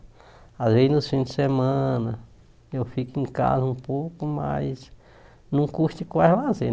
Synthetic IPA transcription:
azveznʊsfĩnd̪ɪsemɐ̃nɐ | ewfikĩka̰zɐũpowkʊma̰js | nɐ̃w̃kuʃt̪ikalaze

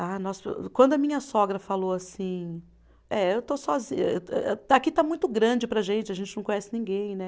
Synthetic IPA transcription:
anɔskwɐ̃nd̪ʊɐmĩɲɐsɔɡɾɐfaloasĩ | ɛewt̪osɔzḭ̃ɲ̰ɛ̰akit̪amũj̃t̪ʊɡɾɐ̃d͡ʒɪpɾɐʒẽnt͡ʃɪɐʒẽnt͡ʃɪnɐ̃w̃kõɲ̃ɛsɪnĩɡẽj̃nɛ

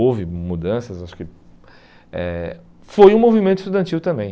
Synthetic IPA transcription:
owvɪmud̪ɐ̃sɐzaʃʊ̥kɪ | ɛ̰ | fojũmovimẽt̪ʊist̪ud̪ɐ̃nt͡ʃivʊt̪ɐ̃mbẽj̃

